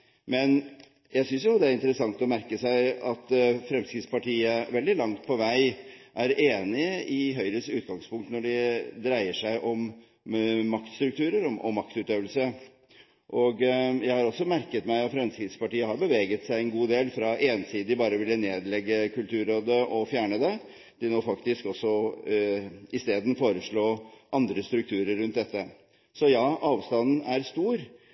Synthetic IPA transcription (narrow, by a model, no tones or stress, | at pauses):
mɛn | jæɪsʏnsjʊd̪ɛæɾɪnt̪əɾəsɑŋt̪ɔmæɾkəsæɪɑt̪fɾɛmskɾɪt̪spɑʈʰiːəʋɛld̪ɪlɑŋt̪̚pʰɔʋæɪʔæɾeːnɪɪɦœʏɾəsʉːt̪̚ɡɑŋspʰʊŋkt̪nɔɖɪd̪ɾæɪəʂæɪʔɔmː | ɑkt̪st̪ɾʉk̚t̪ʰʉːɾəɾɔmʔɔ̰mːɑkt̪ʉt̪øːʋəlsə | ʔɔɡjæɪhɑɾɔsːɔmæɾkət̪mæɪɑt̪fɾɛmskɪd̪spɑʈiːəhɑɾbəʋeːɡət̪sæɪɛnɡuːd̪eːlfɾɑʔeːnsiːd̪d̪ɪbɑːɾəʋɪlːəneːd̪lɛɡːəkʉlt̪ʰʉːɾoːd̪əʔɔfjæːɳəd̪ɛ | d̪̥ɪnoːfɑkt̪ɪskɔsːɔ | ɪst̪eːd̪n̩foːɾəʂɭoːʔɑnd̪ɾəst̪ɾʉk̚t̪ʰʉːɾəɾːʉnt̪̚d̪ɛt̪ːə | sɔjɑːʔɑːʋst̪ɑnn̩æɾst̪uːɾ